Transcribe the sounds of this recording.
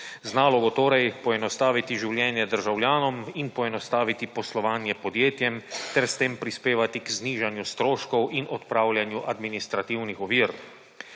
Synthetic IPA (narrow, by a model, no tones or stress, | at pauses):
znaːlɔɡɔt̪oːɾɛjpɔɛnɔst̪aːʋit̪iʒiwlʲjɛːnjɛd̪əɾʒawljaːnɔminpɔɛnɔst̪aːʋit̪ipɔslɔʋaːnjɛpɔd̪jeːt̪jɛmt̪ɛɾst̪eːmpɾispeːʋat̪ikzniːʒanjust̪ɾoːʃkɔwinʔɔt̪pɾaːwljanjuʔad̪minist̪ɾat̪iwnixɔʋiːɾ